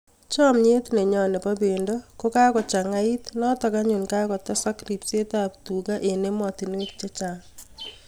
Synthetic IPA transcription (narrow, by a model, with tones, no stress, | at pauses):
t͡ʃɔ˦mɲe˦tne˨ɲɔ˨ne˨pa˦be˨ndɔ˦ko˦ka˦kɔ˨t͡ʃa˨ŋa˦i˦tnɔ˦tɔ˨ka˦ɲu˨nkakɔ˨tɔ˦sa˦kri˨pse˦tap̚tu˨ka˦ʔe˨ne˦mɔ˨ti˨nwe˦t̚t͡ʃe˦t͡ʃa˨ŋ